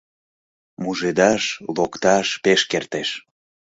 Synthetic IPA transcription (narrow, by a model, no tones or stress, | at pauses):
muʒed̪ɑʃlokt̪ɑʃpeʃkert̪eʃ